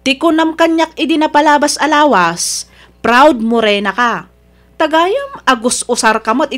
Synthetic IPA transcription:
t̪ɪkʊnɐmkɐɲːak̚ʔɪd̪ɪnɐpɐlaːbɐsʔɐlaːwɐs | pɾawd̪̚mʊɾɛːnɐka | t̪ɐɡaːjamɐɡʊsʔʊsaɾkɐmoɐt̪ɪ

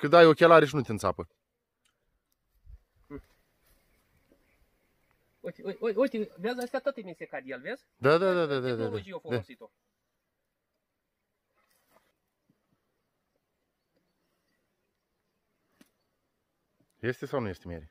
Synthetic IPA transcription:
kɨnd̪ajokʲelaɾeʃinut̪ʲeɨnsa̰pə | ujt̪eujujujt̪iveazəst̪ejat̪at̪əemisiekad̪ialvez | d̪ad̪ad̪ad̪ad̪ad̪aaʒiofod̪esit̪o | jest̪esawnuje̞st̪emḛɾʲi

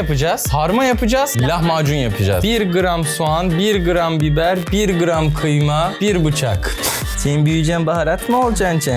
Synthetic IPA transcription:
apɯd͡ʒaːz̥haɾmajapʰɯd͡ʒaːz̥lʲahmaːd͡ʒunjapʰɯd͡ʒa̰ːzbiɾɡɯɾamsuanbiɾɡɯɾambibæɾbiɾɡɯɾamkʰɯjmab̥iɾbɯt͡ʃʰak | senibyjyd͡ʒɛnbaɦaɾat̪molˠd͡ʒant͡ʃʰɛ

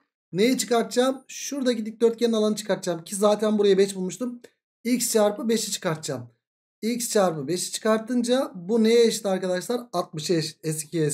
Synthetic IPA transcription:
nejɛt͡ʃʰɯ̥kaɾt̪d͡ʒaːmʃuɾd̪aɟid̪ic̚d̪øɾt̪̚cʰenalˠanɯt͡ʃʰɯ̥kʰaɾt̪̚d͡ʒaːmicʰizaːt̪ʰænbuɾajabɛt͡ʃbulˠmuʃt̪ʰum | icst͡ʃʰaɾpɯbeʃit͡ʃʰɯ̥kaɾt̪̚d͡ʒaːm | ilʲcst͡ʃʰaɾpɯbeʃi̥t͡ʃʰɯ̥kaɾt̪ʰːɯnd͡ʒabunejɛjeʃt̪ʰɯaɾkad̪aʃlˠaɾat̪̚mɯʃɛʃɛs̬cʰijɛ

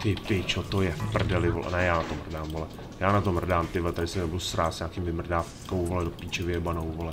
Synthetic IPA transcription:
t̪ɪpɪt͡ʃot̪ojɛfpr̩dɛlɪvolɛ̰nɛjaːnat̪omr̩daːmvolɛ | jaːnat̪omr̩daːmpɪvlɛt̪adɪsɛnɛbɪlsɾaːsɲaːkimvɪmr̩daːfkowvolɛdopiːt͡ʃɛvɪiɛbanowvolɛ

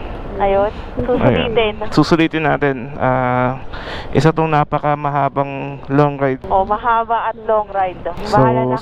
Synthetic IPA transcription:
ʔɐjonsusɐ̰jḭːt̪ɛnsuːsʊliːt̪ɪnːaːt̪ɛnʔaː | ʔɪsat̪oŋnaːpɐkɐmɐɦaːbɐŋloŋɾajd̪̚ʔomɐɦaːbɐʔɐt̪̚loŋɾajd̪sbaol

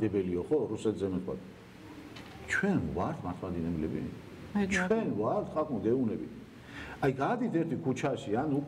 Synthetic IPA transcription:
d̪ɛbɛliɔχɔɾusɛt̪ʰzɛmɛt̪̚ʰkʰwa̰t̪ | t͡ʃʰwɛnvaɾt̪ʰmat̪ʰmad̪inɛblɛ̰bḭ | t͡ʃʰɛnvaɾt̪ʰχakʼunɡ̪ɛunɛbḭ | ajɡad̪it̪ʰɛɾt̪ʰikʰut͡ʃʰaʃianupʼ

